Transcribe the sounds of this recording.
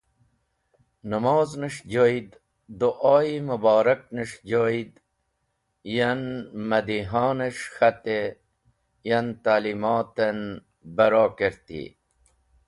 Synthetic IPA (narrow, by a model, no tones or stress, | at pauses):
nəmaːznəʂd͡ʑoid̪ | d̪oʔaːimubɑːɾɐk̚nəʂd͡ʑojid̪ | jɐnmɐd̪iɦaːneʂxɐt̪e | jɐnt̪aːlimaːt̪en | bɐɾaːkeɾt̪ḭ